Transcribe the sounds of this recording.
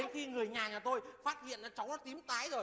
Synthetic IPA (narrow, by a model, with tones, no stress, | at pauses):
e˨˦nxi˧ŋɨ˨˩əjɲaː˨˩ɲaː˨˩t̪o˧jfaː˦˥t̚hḭ˧˨əna˨˦t͡ɕɔ˨˦wŋ͡mnɔ˨˦t̪i˨˦əmt̪aː˨˦jzo˨˩j